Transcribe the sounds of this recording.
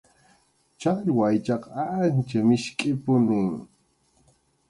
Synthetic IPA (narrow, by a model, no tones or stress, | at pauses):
t͡ʃaʎwajt͡ʃɑqant͡ʃamɪʃkʼɪpʊnʊŋ